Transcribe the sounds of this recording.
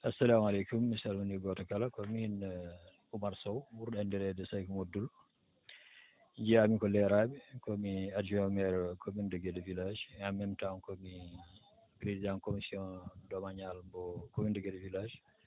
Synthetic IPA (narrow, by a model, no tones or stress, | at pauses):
ɐsːɐlaːmɐlejkumisɐlmuniɡɔtɐkɐlɐkɔmihin | umɐɾsowwuɾɗɐndɛɾɛdɛsajkumodul | d͡ʒiamikɔlɛɾabɛkɔmiad͡ʒomɛɾkʰomunduɡedvilad͡ʒamɛmtankɔmi | pɾezidankomisiɔdɔmaɲalbɔkomindɡɛdvilad͡ʒ